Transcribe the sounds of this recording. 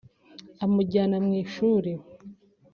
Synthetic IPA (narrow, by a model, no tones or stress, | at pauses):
amuɟaːnamŋiːʃuːɾi